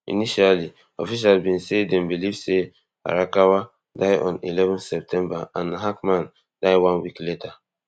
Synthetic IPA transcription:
ḭniʃalli | ɔ̰fiʃ̬albĩnsedɛ̃mbilivse | a̰ɹakawa | daɪɔ̰̃nḭlɛvɔ̃nsɛp̚tʰɛ̃mbaãnaɦakmãn | d̥aɪwãnwikletʰa

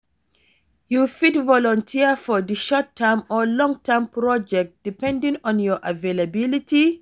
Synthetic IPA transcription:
jufitvɔlɔ̃ntʰifɔðəʃɔtʰːɛmɔlɔ̃ŋtʰɛmpɹɔd͡ʒɛk̚t̚d̥ipɛ̃ndĩŋɔ̃njɔʔavelabiliti

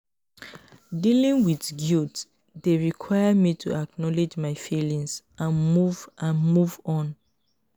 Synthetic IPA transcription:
dilĩŋwiðɡilt | deɹikʰwajəmitʰṵak̚nɔled͡ʒmaɪfilĩŋs | ãnmuvʔãnmuvɔ̃n

